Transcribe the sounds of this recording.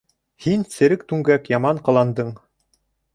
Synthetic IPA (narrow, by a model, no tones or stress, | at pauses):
hinsɘ̆ɾɘkt̪ʉŋɡækjɑmɑɴqɤ̆lˠɑnd̪ɤɴ